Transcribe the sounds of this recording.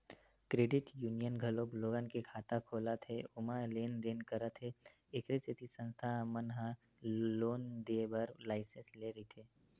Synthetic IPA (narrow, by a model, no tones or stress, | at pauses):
kɾeːɖɪʈjuːnijənɡʱɐlobloːɡənkekʰaːt̪akʰoːlat̪ʰeʊmaleːnd̪eːnkəɾat̪ʰe | ɪkʰɾeset̪ʰisə̃nst̪ʰamənɦã | loːnd̪eːbəɾlaːɪsə̃nsleːɾəit̪ʰeː